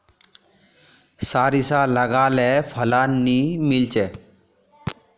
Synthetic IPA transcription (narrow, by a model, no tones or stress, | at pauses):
saɾisaləɡalɛpʰəlanːimilt͡ɕe